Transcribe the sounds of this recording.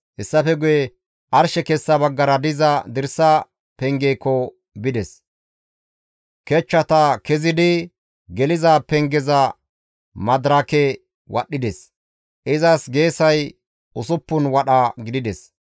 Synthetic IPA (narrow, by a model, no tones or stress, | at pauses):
ʔɪsːɐfɛɡʊjɛ | ʔɐɾʃɛkɛsːɐbɐɡːɐɾɐd̪ɪzɐd̪ɪɾsːɐ | pɛŋɡɛjkːɔ | bɪd̪ɛs | kɛt͡ʃːɐt̪ɐkɛzɪd̪ɪ | ɡɛlɪzapɛŋɡɛzɐ | mɐd̪ɾɐkɛ | wʔɐ̰ɗɪd̪ɛs | ʔɪzɐsɡe̞ːsɐj | ʔʊsʊpːʊnwɐɗɐɡɪd̪ɪd̪ɛs